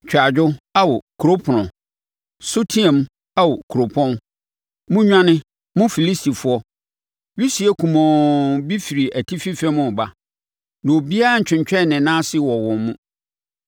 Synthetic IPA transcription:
t͡ɕᶣa˨d͡ʑᶣʊ˦a˦wɔ˨kʰu˨ɾo˦pʰʊ˨nʊ̃˨ | so˦tʰi˦ã˨m | a˦wɔ˨kʰu˨ɾo˨pʰɔ̃˦n | mʊ̃˦ɲᶣã˦nɪ̃˦ | mʊ̃˦fi˨li˦sti˨fʊ˨˦ɔ˦ | ɥi˦si˨ɛ˦kʰũ˨mɔ̃˨bi˦fi˨ɾi˨æ˨tʰi˦fi˦fɛ˦mʊ̃˨ba˦ | nã˨o˨bi˦a˦a˦˨t͡ɕᶣɪ̃˨ɲt͡ɕᶣɛ˦˨nɪ̃˨nãː˦sɪ˦wɔ˨wɔ̃˨mmũ˦

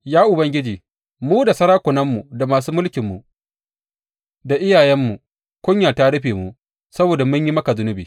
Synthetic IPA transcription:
jaː˦ʔʊ˨bɐ˦ŋɡʲɪ˦d͡ʒiː˨ | muː˦da˨sɐ˦ɾaː˦kʷʊ˨nɐ˦mːu˨da˨maː˨suː˦mʊ˦lkʲɪ˨mːu˨ | da˨ʔɪ˦jaː˨jɛ˦mːu˨ | kʷʊ˦ɲjaː˨ta˦ɽʊ˦ɸeː˨mu˨ | sɐ˦boː˨da˨mʊ˦ɲji˦mɐ˦ka˨zʊ˦nʊ˦biː˨

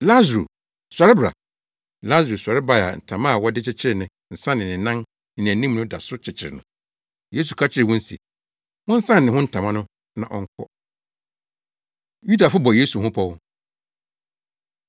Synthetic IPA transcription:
la˦zɾṵ˨ | sʷa˨ɾɪ˦bɾa̰˨ | la˦zɾu˨sʷa˨ɾɪ˦ba˦˨a̰˨n̩˨tʰã˨mã˦˨wɔ˦dɪ˦t͡ɕʰɪ˦t͡ɕʰɪ˦ɾɪ˨nɪ̃˨ | n̩˨sã˦nɪ̃˨nɪ̃˨nã˦n | nɪ̃˨ñ˨æ̃˨nĩ˦m˦nʊ̃˦da˨sʊ˦t͡ɕʰɪ˨t͡ɕʰɪ˨ɾɪ̰˨nʊ̃˨ | je˦s̬u˨kʰa˦t͡ɕʰɪ˦ɾɪ˨wʊ̃˦n̩˦sḭ˨ | mʊ̃˦n̩˦sã˦n˨ɪ̃˨hʊ̃˦n̩˨tʰã˨mã˦nʊ̃˦ | nã˨ʔɔ̰˦ŋ˦kʰɔ̰˦ | ju˦da˨fʊ˦bɔ˨je˦su˨hʊ̃˦pʰɔ˦wʊ˦

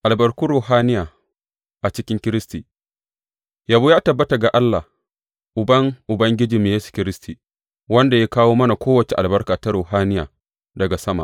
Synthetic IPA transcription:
ʔa˨lbɐ˨rkuː˦ɾoː˨ɦaː˦nɪ˦jaː˨ | ʔa˨t͡ʃɪ˦kʲɪ˦ŋkʲɪ˦ɾɪ˦stiː˨ | ja˨buː˦jaː˦tɐ˨bːɐ˦ta˨ɡa˨ʔa˦lːa˨h | ʔʊ˨bɐ˦ŋʔʊ˨bɐ˦ŋɡʲɪ˦d͡ʒiː˨me˨jeː˦su̥˨kʲɪ˦ɾɪ˦stʰi˨ | wɐ˦nda˨ja˦kaː˦woː˦mɐ˦na˨kʷoː˦wɐ˨t͡ʃe˨ʔa˨lbɐ˦rkaː˨ta˦ɾoː˨ɦaː˦nɪ˦jaː˨ | dɐ˨ɡa˨sɐ˦ma̰˨ʔ

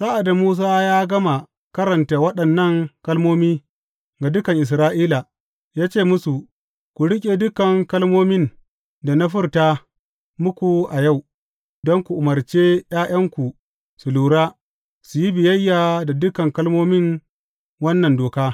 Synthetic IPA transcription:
saː˦ʔa˨da˨muː˦s̬aː˦jaː˦ɡɐ˦ma˨ | kɐ˦ɾɐ˨nta˨wɐ˦ɗɐ˨nːɐ˦˨ŋkɐ˦lmoː˦miː˦ | ɡa˨dʊ˦kɐ˨ŋʔɪ˨s̬ɾaː˦ʔiː˦la˨ | jaː˦t͡ʃeː˦˨mʊ˦su˨ | kʷu˨ɽɪ˦kʲʼe˨dʊ˦kɐ˨ŋkɐ˦lmoː˦mɪ˦n | da˨na˦ɸʊ˦ɾtaː˦ | mʊ˦kʷu˨ʔa˨ja˦˨w | dɔ˦ŋkʷu˨ʔʊ˨mɐ˨rt͡ʃeː˦j̰aː˦j̰ɐ˦ŋkʷu˨ | su˨luː˨ɽaː˦ | su˨ji˦bɪ˨jɐ˦jːaː˨da˨dʊ˦kɐ˨ŋkɐ˦lmoː˦mɪ˦ŋ | wɐ˦nːɐ˨ndoː˨kaː˦

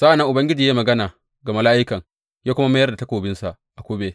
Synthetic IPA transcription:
sa˦ʔa˨nːɐ˦ŋʔʊ˨bɐ˦ŋɡʲɪ˦d͡ʒiː˨jaː˦mɐ˨ɡɐ˦naː˨ | ɡɐ˨ma˦laː˦ʔɪ˦kɐ˨ŋ | jaː˦kʷʊ˦ma˦ma˦jrda˨tɐ˦koː˨bɪ˦nsa˨ʔ | ʔa˨kʷoː˦beː˦

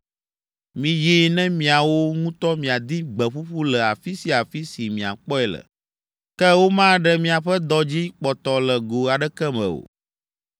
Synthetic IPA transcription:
mĩ˨ji˦nɛ̃˦mĩ˨a˨wo˦ŋũ˦t̪ɔ˦mĩ˨a˨d̪i˦ɡ͡bɛ˨ɸu˦ɸu˦lɛ˨a˨fi˦si˨a˨fi˦si˨mĩ˨a̰˨k͡pɔ˦ɛ˨lə̰˨ | kɛ˦wo˦mã˦ɖɛ˦mĩ˨a˨ɸɛ˦d̪ɔ˦d͡ʑi˦k͡pɔ˨t̪ɔ˨lɛ˨ɡo˨a˨ɖɛ˦kɛ˦mɛ̰̃˨o̰˨

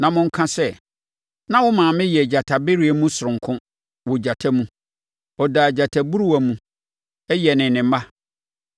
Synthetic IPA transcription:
nã˨mʊ̃˦ŋ̩˦kʰã˦sɛ˦ | nã˦wʊ˦mãː˨mɪ̃˦jɛ˨d͡ʑa˨tʰa˨be˦ɾi˦e˨mũ˦sʊ˨ʊ̃˨ŋ˨kʰʊ̃˦ | wo˨d͡ʑa˨tʰa˦mũ˦ | ɔ˨daː˨d͡ʑa˨tʰa˨bu˦ɾu˦æ˨mũ˦ | ɛ˦jɛ˨nɪ̃˨nɪ̃˨m˦ma˦

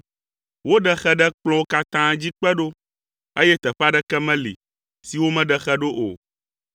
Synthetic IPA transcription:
wo˦ɖɛ˦xɛ˦ɖɛ˦k͡plɔ̃˦ka˦t̪ã˦d͡ʑi˦k͡pɛ˦ɖo˦ | e˦jɛ˦t̪ɛ˨ɸa˦ɖɛ˦kɛ˦mɛ̃˦lḭ˨ | si˨wo˦mɛ̃˦ɖɛ˨xɛ˦ɖo˦ʔo˨

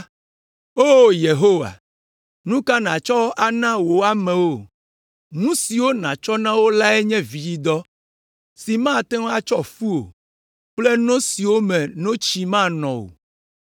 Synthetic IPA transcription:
o˦je˨ɦo˦wa̰˨ | nũ˦ka˦nã˨t͡ʃɔ˦a˦nã˦wo˨a˦mɛ̃˨wo˦ | nũ˦si˨wo˦nã̰˨t͡ʃɔ˦nã˦wo˦la˦ɛ˦ɲɛ̃˦vi˨ji˦d̪ɔ˦ | si˨mã˦˨t̪ɛ̃˦wa˦t͡ʃɔ˦fu˦o̰˨ | k͡ple˦nɔ̃˦si˨wo˦mɛ̃˨nɔ̃˦t͡ʃi˦mã˦nɔ̃˨o̰˨

